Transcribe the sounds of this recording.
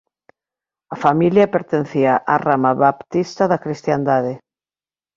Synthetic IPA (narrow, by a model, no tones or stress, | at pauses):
ɐfamiljɐpeɾt̪en̟θiaʔaramaβapt̪ist̪ɐðɐkɾist̪jand̪aðe